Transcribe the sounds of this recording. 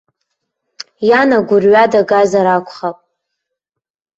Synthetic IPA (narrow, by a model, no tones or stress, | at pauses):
janaɡʷʊrɥadaɡazaɾakʷʰʼχapʼ